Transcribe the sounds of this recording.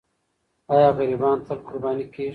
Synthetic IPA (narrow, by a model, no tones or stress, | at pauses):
ɑːjɑːɣɐɾiːbɑːnt̪ɐlkʊɾbɑːnikeː